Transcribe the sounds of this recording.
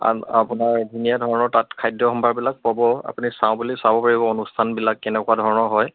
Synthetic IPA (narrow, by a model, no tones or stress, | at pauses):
a̰a̰punaɹdunijadʱɔɹɔnɔɹtatkʰajdjɔxɔmbʱaɹbilak̚pabɔa̰punisaʊ̃bulisabɔpaɹibɔonustʰanbilakːɛnɛkuadʱɔɹɔnɔɦɔj